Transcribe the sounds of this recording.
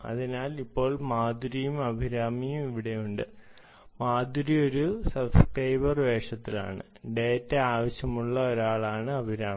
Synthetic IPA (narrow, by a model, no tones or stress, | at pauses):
ɐ̰ðinaːlipːo̞ːɭmaːd̪uɾijumɐbʱiɾaːmijumiʋiɽe̞juɳɖɨ | maːd̪uɾio̞ɾusɐlskrɐjbɐrʋe̞ːʂɐt̪ːila̰ːɳɨ̰ | ɖe̞ːtːeaːʋɐɕjɐmuɭːɐo̞ɾaːɭaːɳɨɐbʱiɾaː